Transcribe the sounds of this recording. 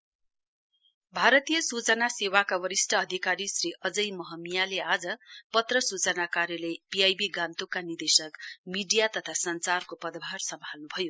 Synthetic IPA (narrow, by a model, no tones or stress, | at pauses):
bʱaɾʌt̪ijʌsut͡sʌnasewakawʌɾisʈʰʌːd̪ʱikaɾisriʔʌd͡zʌjmʌɦʌmijalead͡zʌpʌt̪rʌsut͡sʌnakaɾjʌlʌjpiajbiɡãnt̪ukːanird̪esʌkmiɖijat̪ʌt̪ʰasʌnt͡sarkopʌd̪bʱarsʌmbʱalnubʱʌjo